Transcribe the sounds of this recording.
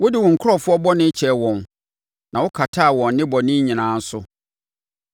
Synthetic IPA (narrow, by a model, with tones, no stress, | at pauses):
wʊ˦dɪ˨wʊ̃˨ŋ̩˨kʰʊ˦ɔ˨fʊ˦ɔ˦bɔ˦nɪ̃˦t͡ɕʰɛ˨wɔ̃˨n | nã˨wʊ˦kʰa˨tʰa˦˨wɔ̃˨nːɪ̃˦bɔ˨nɪ̃˦ɲĩ˨nãː˨˦n̩˦sʊ˦